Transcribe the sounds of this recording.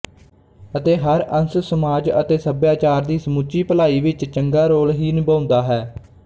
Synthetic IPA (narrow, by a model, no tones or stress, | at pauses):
ət̪eːɦəɾənssəmaːd͡ʒə̰t̪eːsəbjaːt͡ʃaːɾd̪iːsəmuːt͡ʃiːpəlaːiːʋɪt͡ʃt͡ʃəŋɡaːɾoːlɦiːnɪbãːnd̪aːɦɛː